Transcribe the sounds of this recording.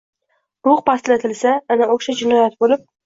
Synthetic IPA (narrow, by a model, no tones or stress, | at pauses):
ɾʊχpʰast̪lat̪ʰɪlsaːnaoʃad͡ʒɪnɒjat̪̚bolɪp̚